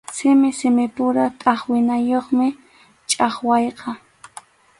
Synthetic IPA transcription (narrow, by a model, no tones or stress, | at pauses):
sɪmɪsɪmɪpʊɾat̪ʼɑχwɪnajoχmɪ | t͡ʃʼɑχwɑjqɑ